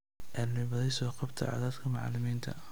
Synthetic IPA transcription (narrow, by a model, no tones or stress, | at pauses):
ʔɛːlɪβɐðɛjsɔːqɑbt̪ʰɐ̰ʕɑ̰ːðaːd̪kʰɐmɑʕɑ̰lɪmiːnt̪ʰɐ̰